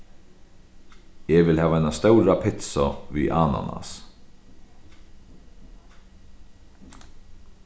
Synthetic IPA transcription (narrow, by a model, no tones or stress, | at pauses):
ɛʋɪlhæːʋaɛjnast̪œwɾapʰɪt̪sɔʋḭʔaːna̰na̰s